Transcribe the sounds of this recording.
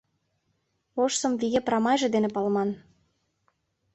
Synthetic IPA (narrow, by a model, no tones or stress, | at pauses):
oʃsɤ̆mviɣeprɑmɑjʒĕd̪enĕpɑlmɑn